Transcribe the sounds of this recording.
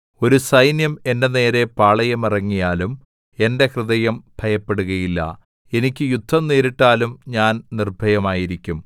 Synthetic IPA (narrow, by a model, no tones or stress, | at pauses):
o̞ɾusɐjnjɐme̞ndene̞ːɾe̞paːɭɐjɐmirɐŋːijaːlum | e̞nde̞hrɨðɐjɐmbʱɐjɐpːe̞ɽuɣɐjilːɐ̰ | e̞nikʲːɨjud̪ʱːɐmneːɾiʈːaːlumɲaːnnirbʱɐjɐmaːjiɾikʲːum